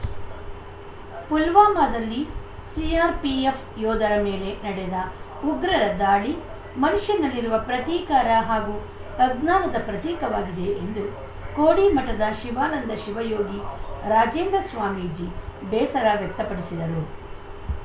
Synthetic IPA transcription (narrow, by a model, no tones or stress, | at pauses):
pulʋaːmaːd̪ɐlːi | siaːɾpiepʰjɔːd̪ɐɾɐmeːle̞nɐɽɛd̪ɐ | uɡɾɐɾɐd̪aːɭi | mɐnuʃjɐnɐlːiɾuʋɐpɾɐt̪iːkaːɾɐɦaːɡu | t̪ɐɡnaːnɐd̪ɐpɾɐt̪iːkɐʋaːɡid̪e̞ʔend̪u | koːɽimɐʈːɐd̪ɐʃiʋaːnɐnd̪ɐʃiʋɐjoːɡiɾaːd͡ʒeːnd̪ɾɐsʋaːmiːd͡ʒibɛːsɐɾaːʋjɛk̚t̪ːɐpɐɽisid̪ɐɾu